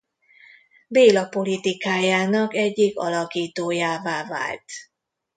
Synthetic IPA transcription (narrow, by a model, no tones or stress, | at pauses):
beːlɒpo̞lit̪ikaːjaːnɒkɛɟːikɒ̰lɒkiːt̪oːjaːvaːva̰ːlt̪